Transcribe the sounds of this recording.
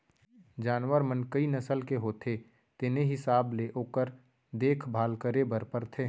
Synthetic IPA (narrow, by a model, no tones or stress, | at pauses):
d͡ʒaːnwəɾmənkəinɐsəlkeɦoːt̪ʰe | t̪ɪneɦɪsaːbleʔoːkəɾ | d̪eːkʰbʱaːlkəɾebəɾpəɾt̪ʰe